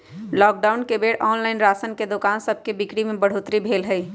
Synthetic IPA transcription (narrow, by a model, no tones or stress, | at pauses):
lɔːk̚ɖaʊnkebeːɽɔːnlaɪnɾaːsənked̪okaːnsəb̚ʱkebɪkɽimẽbəɽ̤oːt̪ɾibʱeːlɦəj